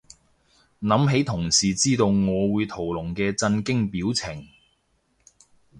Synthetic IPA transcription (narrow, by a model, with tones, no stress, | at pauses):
nɐ˨˥mɦe˨˥jt̪ʰʊ˨˩ŋsiː˨t͡siː˥t̪o˧wŋɔː˨˧wuː˨˧jt̪ʰo˨˩wlʊ˨˩ŋkɛː˧t͡sɐ˧nkɪ˥ŋpiː˨˥wt͡sʰɪ˨˩ŋ